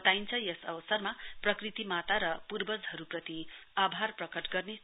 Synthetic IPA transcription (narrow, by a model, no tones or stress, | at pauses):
t̪aint͡sʰʌjʌsʌbʌsʌrmaprʌkrit̪imat̪aɾʌpurbʌd͡zɦʌɾuprʌt̪iabʱarprʌkʌʈɡʌrne